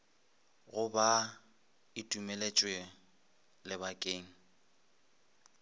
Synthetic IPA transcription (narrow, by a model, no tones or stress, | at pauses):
ɣʊba | ɪtʼumelet͡ʃʼwe | lɪbakʼeːŋ̩